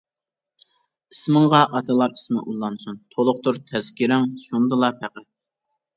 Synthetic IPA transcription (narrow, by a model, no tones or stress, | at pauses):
ismɨŋʁɑʔɑt̪ʰɨlˠɑɾismɪ̰ʔulˠːɑnsunt̪ʰolˠʊqt̪uɾt̪ʰɛz̥kʲiɾɪŋʃund̪ɨlˠɑpʰæqæt̪̚